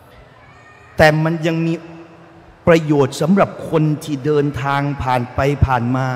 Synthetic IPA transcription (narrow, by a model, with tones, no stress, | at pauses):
t̪ɛː˨˩ma˧nja˧ŋmiː˧ | pɾa˧joː˨˩t̪̚sa˩˨˦mɾa˨˩p̚kʰo˧nt̪ʰiː˥˩dɤː˧nt̪ʰaː˧ŋpʰaː˨˩npa˧jpʰaː˨˩nmaː˧